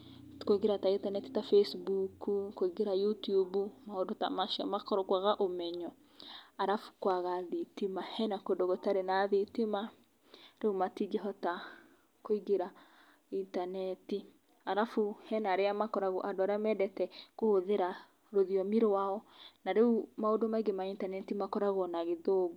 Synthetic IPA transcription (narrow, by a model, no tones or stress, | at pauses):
koiɡeɾataintanɛti̥tafesbukukoiɡeɾajutiubumahodota̰maʃiɔ̰makɔɾɔkwaɣaʔomɛɲɔ | aɾafu̥kwaɣaðitimahɛnakodoɣotaɾenaðitima | ɾeomatiɡeɦɔta | koiɡeɾa | intanɛti | aɾafuhɛnaɾeamakɔɾaɣoʔadoaɾamɛdɛtɛkohoðeɾa | ɾoðiɔmiɾowaɔnaɾeumaodomaiɡemaintanɛtimakɔɾaɣɔnaɣeðoɡo